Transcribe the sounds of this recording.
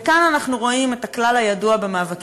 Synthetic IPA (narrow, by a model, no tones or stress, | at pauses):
kananaχnuʁo̞imetaklalhajaduabe̞maːvak